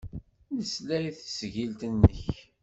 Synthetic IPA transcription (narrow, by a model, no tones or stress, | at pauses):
nəslæɾiθsʝilt̪ənːəç